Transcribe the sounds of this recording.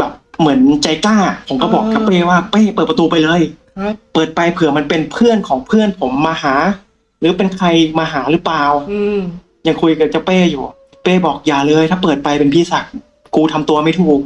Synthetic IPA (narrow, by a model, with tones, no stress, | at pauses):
bɛː˨˩p̚mɯ˩˦ənt͡ɕa˧jkaː˥˩pʰo˩˦mkɔː˥˩bɔː˨˩k̚t͡ɕa˦˥peː˥˩waː˥˩peː˥˩pɤː˨˩t̪̚pa˧t̪uː˧pa˧jlɤː˧j | pɤː˨˩t̪̚pa˧jpʰɯ˨˩əma˧npe˧npʰɯ˥˩ənkʰɔː˩˦ŋpʰɯ˥˩ənpʰo˩˦mːaː˧haː˩˦ | ɾɯː˨˩˦pe˧nkʰa˧jmaː˧ɦaː˩˦ɾɯː˩˦plaː˨˩w | ja˨˩ŋkʰu˧jka˨˩t͡ɕa˧˥peː˥˩juː˨˩ | peː˥˩bɔː˨˩k̚jaː˨˩lɤː˧jt̪ʰaː˥˩pɤː˨˩t̪̚pa˧jpe˧npʰiː˧˩sa˨˩k̚ | kuː˧t̪ʰa˧mt̪u˧ɐma˥˩jt̪ʰuː˨˩k̚